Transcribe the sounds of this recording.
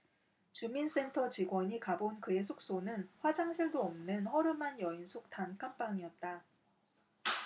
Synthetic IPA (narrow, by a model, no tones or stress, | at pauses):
t͡ɕumins͈e̞ntʰʌt͡ɕiɡwʌɲikabonkɯe̞sʰok̚s͈onɯnɸwad͡ʑaŋɕʰiɭdoʌmnɯnhʌɾɯmanjʌinsʰok̚tʰankʰamp͈aŋiʌt̚t͈a